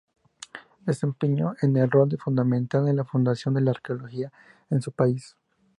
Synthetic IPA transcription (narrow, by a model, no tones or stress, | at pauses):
d̪e̞se̞mpeɲoʔenelro̞ld̪efund̪amẽnt̪ald̪elafund̪asjo̞nd̪e̞laːɾkeolo̞xia | ensupais